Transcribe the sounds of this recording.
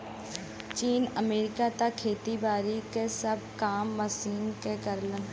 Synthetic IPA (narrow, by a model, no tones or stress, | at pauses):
t͡ʃiːnəmeːɾɪkat̪akʰːeːt̪ibaːɾikesɐb̚ʱkaːmːɐsiːnkekɐɾlən